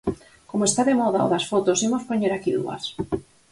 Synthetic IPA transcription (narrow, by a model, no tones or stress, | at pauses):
komoest̪aðemɔðao̰ðasfot̪osemospoɲeɾakiðṵɐ̰s